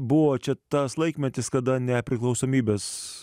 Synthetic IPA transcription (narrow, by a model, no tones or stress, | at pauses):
bʊʋoːt͡ʃʲɛt̪ɐslˠɐɪkmʲɛt̪ʲɪskɐd̪ɐnʲɛpʲɾʲɪklˠɒʊsoːmʲiːbʲeːs